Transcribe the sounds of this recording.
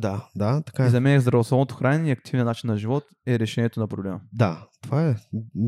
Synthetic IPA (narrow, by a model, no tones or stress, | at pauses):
d̪ad̪at̪ɐ̥kazɐmɛnɛzd̪ɾɐvoslˠɔvnot̪o̥xɾanɛɛiɐk̚t̪ʰivnʲnat͡ʃinːɐʒivɔt̪ | ɛɾɛʃɛnʲiɛt̪onɐpɾoblɛməd̪at̪ovaɛ